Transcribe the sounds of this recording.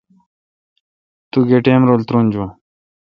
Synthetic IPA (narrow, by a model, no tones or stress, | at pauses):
t̪uɡeʈeːmɾoːlt̪ɾoːnd͡ʑuã